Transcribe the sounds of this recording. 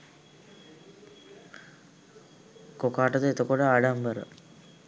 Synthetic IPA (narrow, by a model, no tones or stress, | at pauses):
kokaːʈəd̪əet̪əkoʈəaɖambəɾə̰